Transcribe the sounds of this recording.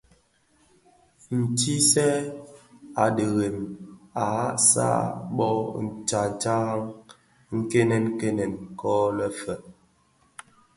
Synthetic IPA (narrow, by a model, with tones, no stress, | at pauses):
n̩˨ti˦sɛ˦ | a˨də˨ɣe˨ma˨˦sa̰˦ɓɔ˦n̩˨t͡ʃa˨t͡ʃa˦ŋ | ŋ̩˦ke˦nɛ˨nke˦nɛ˨nkɔ˦lɛ˦fɛ˨